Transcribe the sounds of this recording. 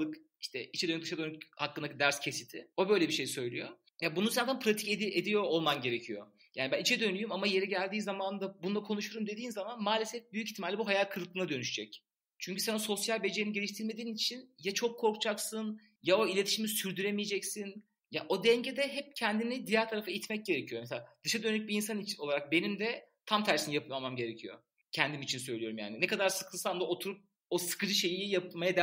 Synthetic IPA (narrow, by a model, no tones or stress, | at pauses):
lˠɯk | iʃt̪ʰɛ̰ʔit͡ʃʰɛd̪nyd̪ɯʃad̪ønykhakːɯnd̪akd̪æɾscʰe̞sit̪ʰɪo̞bø̞jlʲebiʃe̞jsø̞jlʲyjo | jabununsænt̪anpʰɾat̪ʰi̥ced̪ied̪ijo̞ːlˠmanɟe̞ɾe̞cʰijo̰ | jaːnibænit͡ʃʰɛd̪ø̞nyjymamaje̞ɾɛɟælʲd̪iːnzamannd̪abunulˠakʰo̞nuʃuoɾumd̪e̞d̪iːnzamanmaːlʲesɛfbyjyciçt̪ʰːimalʲibuɦajalʲkʰɯɾlˠklˠɯnad̪ønyʃyd͡ʒɛc | t͡ʃʰyɲcysanoso̞sjalʲbe̞d͡ʒeiniɟe̞lʲiʃt̪ʰiɾme̞d̪iːnit͡ʃʰinjat͡ʃʰo̞kʰːo̞ɾkt͡ʃʰaksɯn | jao̞ilʲe̞t̪ʰiʃimisyɾd̪yɾemijed͡ʒɛcsin | jaʔo̞d̪ɛɲɟed̪ɛɦɛp̚cʰɛnd̪inid̪ijaɾt̪ʰaɾafɯajit̪mɛc̚ɟe̞ɾecʰijo̞meselʲad̪̥ɯʃad̪ønyc̚biinsanit͡ʃʰno̞lˠaɾak̚be̞nimd̪ɛt̪ʰamt̪ʰæɾsinijapʰɯmamamɟe̞ɾecʰijo̞̰ | cʰɛnd̪imit͡ʃʰinsø̞jlʲijo̞ɾumja̰ːninɛkad̪aɾsɯ̥kʰɯlˠsand̪aot̪ʰuɾup̚ | osɯ̥kɯd͡ʒɯʃe̞jijapmajad̪